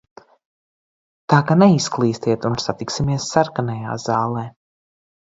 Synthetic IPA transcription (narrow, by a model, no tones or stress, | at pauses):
t̪aːkanɛisklˠiːst̪iɛt̪unsat̪iksimiɛsːaɾkanɛja̰ːzaːlˠɛː